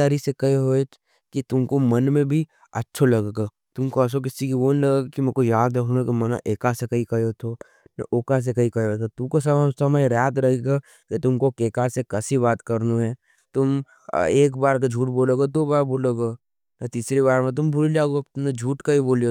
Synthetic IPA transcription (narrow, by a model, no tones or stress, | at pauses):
aːɾisekɐɦeɦoːet͡ʃ | kit̪ʊmkomɐnmẽbʱi | ɐtːʃʰolɐɡeɡa | t̪ʊmkoɐs̬ok̬ɪsikiʋonlɐɡaɡakimɛ̃kojaːd̪ɾɐkʰnũkimɐna̰ʔeːkasekɐɦikɐjot̪ʰo | nɐ̰ʔoːkas̬ekɐikɐjot̪ʰot̪ʊmkosɐmsɐmajɾaːt̪ɾɐɦeɡa | kit̪ʊmkokeːkasekɐsiβaːt̪kɐɾnuɦɛ̃ː | t̪ʊm | eːkbaːɾk̬ad͡ʒʱuːʈboːloɡot̪obaːɾboːloɡa | nɐt̪iːsɾibaːɾmẽt̪̬ʊmbʱʊlilaːɡonɐd͡ʒʱuːʈkaiboːlijo